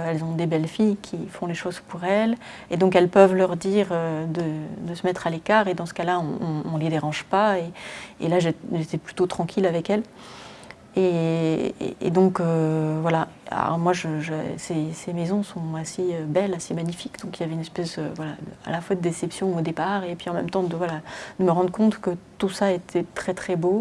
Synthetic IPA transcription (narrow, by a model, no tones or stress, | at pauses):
ɛlzɔ̃d̪ebɛlfijkʲʰifɔ̃leʃoz̥puʁɛl | ed̪ɔ̃kɛlpəvlœʁd̪iʁød̪əd̪əsəmɛt̪χalekaːʁed̪ɑ̃sə̥kalaɔ̃ːled̪eʁɑ̃ʒpaeḛlaʒeʒet̪ɛply̥t̪ot̪χɑ̃kʲʰilavɛkɛl | ḛ | ḛd̪ɔ̃køvwala̰ɔ̰ʁmwaʒəʒəsesemezɔ̃sɔ̃aseøbɛlasemaɲifikd̪ɔ̃kiljavɛynɛspɛsd̪ø̰vwalad̪əa̰lafwad̪əd̪esɛpsjɔ̃od̪epaʁepɥiɑ̃mɛ̰mt̪ɑ̃d̪əvwalad̪̥əməʁɑ̃d̪ʁəkɔ̃t̪kət̪usaet̪ʰɛt̪χɛt̪χɛbo